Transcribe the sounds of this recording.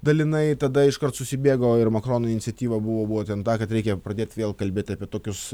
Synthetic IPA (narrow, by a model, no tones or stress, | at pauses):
d̪ɐlʲɪnɐɪt̪ɐd̪ɐɪʃkɐrt̪sʊsʲɪbʲeːɡɐoːɪɾmɐkɾoːnoːɪnʲɪtsʲɛt̪ʲiːʋɐbʊʋoːbʊʋoːt̪ʲɛnt̪ɑːkɐt̪ɾʲɛɪkʲɛpɾɐd̪ʲeːt̪ʲʋʲeːlˠkɐlʲbʲeːt̪ʲɐːpʲiɛt̪oːkʲʊs